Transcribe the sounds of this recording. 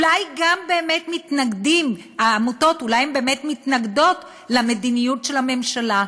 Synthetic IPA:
lajɡambe̞ːmetmitnaɡdim | aːmuto̞tulajembe̞ːmetmitnaɡdo̞t | lame̞dinijutʃe̞lame̞mʃala

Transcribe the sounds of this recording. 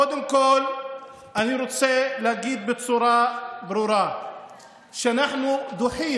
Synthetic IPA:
od̪ɪmkoːl | ʔaniɾut͡selaɡiːd̪̚bɪt͡sˤuːɾˤɑbɾuːɾˤɑ | ʃɪnaħnud̪ʊħiː

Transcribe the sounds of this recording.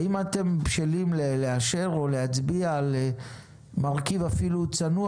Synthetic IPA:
imat̪e̞mpʃelimleleaʃe̞ʁo̞lehat͡sbiale | maʁkivafilut͡sanu

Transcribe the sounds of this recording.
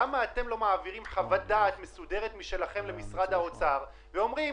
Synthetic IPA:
amaːt̪e̞mlo̞maːviʁimχavat̚d̪aːt̪me̞sude̞ʁet̪miʃe̞laχe̞mle̞misʁad̪hao̞t͡saʁ | veo̞mʁi

